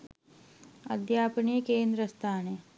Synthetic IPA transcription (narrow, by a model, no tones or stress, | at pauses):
ɐ̰d̪ʱjaːpniekeːnd̪ɾəst̪ʰaːneː